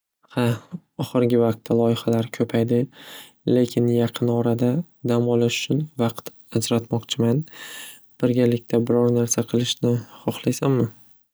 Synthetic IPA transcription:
ha | ɒχɨɾɡʲɪvɑq̚t̪ʰːalˠɒjɪχalaɾkʲʰɵpʰajd̪ɪ | le̞kʲʰɪnjɑqʰɨnɒɾad̪a | d̪amɒlɪʃʊ̥t͡ʃʰʊnvɑqt̪ | ad͡ʒɾat̪mɒqt͡ʃʰɪman | b̥ɪɾɡʲalɪkʲt̪ʰabɪɾɒɾnaɾsaqʰɨlˠɪʃnɪχɒχlˠajsammɪ

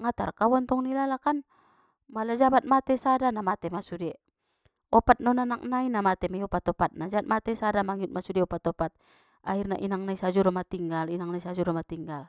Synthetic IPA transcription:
ŋat̪a̰rkawant̪ɔŋnilalakan | malad͡ʒabat̪̚mat̪ɛsadanamat̪ɛmasudɛ | ɔpat̪̚nɔnanak̚nainamat̪ɛmaiɔpat̪ɔpat̪̚nad͡ʒaat̪̚mat̪ɛsadamaŋiut̪̚masudɛɔpat̪ɔpat̪̚ | airnaʔinaŋnaisad͡ʒuɾɔmat̪iŋɡalinaŋnaisad͡ʒuɾɔmat̪iŋɡal

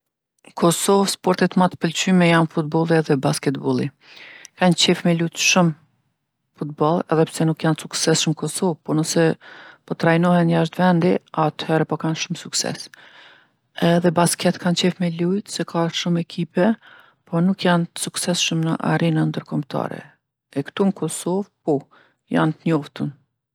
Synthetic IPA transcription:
kʰɔsɔvspɔɾt̪it̪mat̪əpəlt͡ɕymɛjanfut̪̚bɔlˠiɛðɛbaskɛt̪̚bɔlˠi | kant͡ɕɛfmɛlujt̪ʃum | fut̪̚bɔlˠɛðɛpɾsɛnukjansuksɛsʃməkɔsɔvpɔnəsɛpɔt̪ɾajnɔhɛnjaʃ̬t̪vɛnd̪iat̪hɛɾɛpɔkanʃumsuksɛ̰s | ɛðɛbaskɛt̪kant͡ɕɛfmɛlujt̪sɛkʰaʃumɛkʰipɛ | pʰɔnukjant̪ə̥suksɛsʃəmnəʔa̰ɾinand̪əɾkɔmt̪ʰa̰ɾɛ̰ | ɛkt̪unəkʰɔsɔvpɔ | ja̰nt̪əɲɔft̪ən

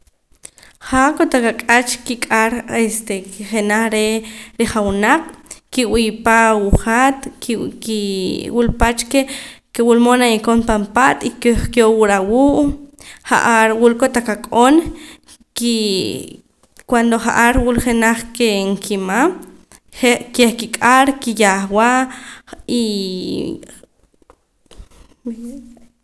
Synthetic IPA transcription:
χaʔkot̪akakʼat͡ʃkikʼaɾest̪ekχenaχɾeɾeχawunaq͡χkiwijpawuχat̪kiwulpat͡ʃkekewulmonajikonpampat̪ʼikeχkjowuɾawuːʔχa̰ʔaɾwulkot̪akakʼon | ki | kwand̪oχa̰ʔaɾwulχenaχkeŋkʰimam | ekeχkikʼaɾkijaχwaʔ | i

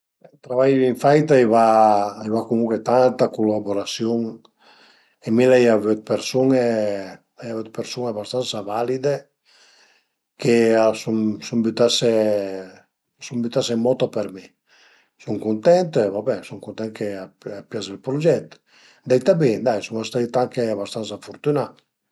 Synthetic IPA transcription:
ɛt̪ɾavajiɱfajt̪aejvaajvakomuŋket̪ant̪akulaboɾasjoŋ | emilɛjavøt̪̚peɾsuŋe | lajavøt̪̚peɾsuŋabast̪ansavalid̪e | keasuŋsumbyt̪ase | sumbyt̪asemɔt̪apeɾmi | suŋkunt̪ɛnt̪evabɛsuŋkunt̪ɛnkeaapjazelpɾud͡ʒɛt̪ | d̪ɛjt̪abid̪ajsuŋast̪ait̪aŋkeabast̪ansafuɾt̪yna

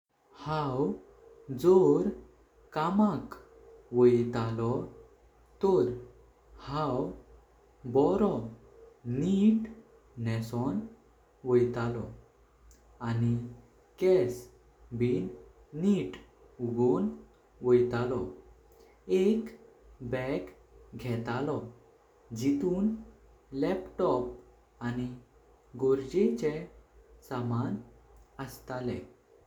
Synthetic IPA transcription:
hãw | d͡zoɾ | kamak | ʋəjt̪alɔ | t̪ɔɾ | hãw | bɔɾɔ | niʈ | nɛsɔn | ʋəjt̪alɔ | ani | kɛs | biːn | niʈ | uɡon | ʋojt̪alɔ | ek | bɛk | ɡʱɛt̪alɔ | d͡ʑit̪uːn | lɛpʈɔp̚ | ani | ɡoɾd͡ʑet͡ɕesamanəst̪alḛ̃

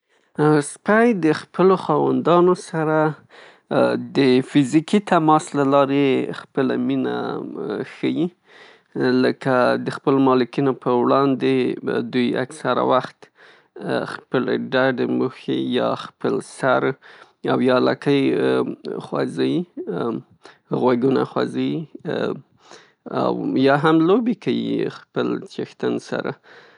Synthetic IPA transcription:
spajd̪əxpʰəloxɑwa̰nd̪ɑnosaɾa | d̪əfɪzikit̪amɑslalɑɾexpəla̰mina̰ | xəji | ləkad̪əxpəlmɑlɪkinopʰəwɽɑnd̪ed̪uja̰ksaɾa̰waxt̪ | xpəleɖaɖemuxḛjɑ̰xpəlsaɾ | awjɑlɑkəj | xwɑ̰zaji | ɣwaɡunaxwa̰zaji | a̰wjɑɦamlobekajḭxpəlt͡ʃext̪ansa̰ɾa

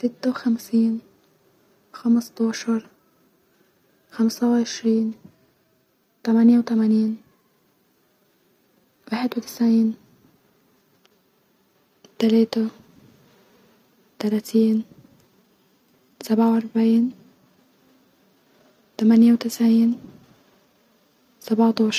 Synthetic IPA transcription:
sɪt̪ːawxamsiːn | xamsˤt̪ɑːʃɑɾˤ | xamsˤawʕɪʃɾiːn | t̪amanjawt̪amaniːn | waħɪd̪wt̪ɪ̥sʕiːn | t̪aleːt̪a | t̪alaːt̪ʰiːn | sabʕawʔɑɾˤbaʕiːn | t̪amanjawt̪ɪsʕiːn | sabʕawt̪ɑːʃ

